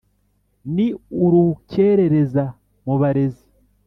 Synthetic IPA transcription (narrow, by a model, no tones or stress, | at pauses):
niuɾuceɾe̞ɾe̞za | muβaɾe̞zi